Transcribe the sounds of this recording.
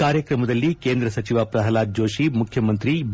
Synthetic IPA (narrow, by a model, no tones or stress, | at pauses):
aːɾjɐkɾɐmɐd̪ɐlːikeːnd̪ɾɐsɐt͡ʃiʋaːpɾɐɦɐlaːd̪̚d͡ʒoːʃimukʰjɐmɐnt̪ɾib